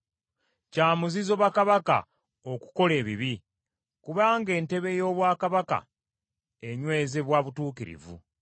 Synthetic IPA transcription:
caːmuzizo̞ːβakaβaka̰ | oku̥ko̞le̞ːβiβi | kuβaːŋɡe̞ːnte̞βe̞jo̞ːβwaːkaβaka̰ | eɲwe̞ːze̞βwaːβutuːkiɾḭvṵ

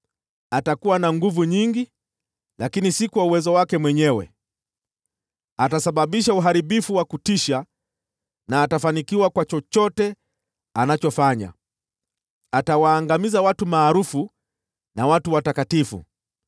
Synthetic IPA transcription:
atakuwanaŋɡuvuɲiŋɡi | lakinisikuwauwɛzɔwakɛmwɛɲɛwɛ̰ | atasaɓaɓiʃauɦaɾiɓifuwakutiʃa | naːtafanikiwakwat͡ʃɔt͡ʃɔtɛ | anat͡ʃɔfaɲa̰ | atawaːŋɡamizawatumaːɾufu | nawatuwatakatifṵ

